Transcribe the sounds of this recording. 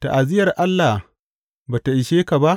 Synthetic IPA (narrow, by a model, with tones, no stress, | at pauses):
ta̰˨ʔa˨zɪ˦jɐ˨rʔa˦lːa˨h | baː˨ta˨ʔɪ˨ʃeː˦ka˨ba˦ʔ